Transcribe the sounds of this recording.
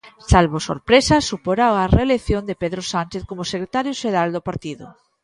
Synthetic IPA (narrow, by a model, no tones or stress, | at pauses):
salβoso̰ɾpɾesasupoɾawareːleθjond̪epeðɾosanʲt͡ʃeθkomʊsekɾet̪aɾjʊʃeɾald̪opaɾt̪iðʊ̰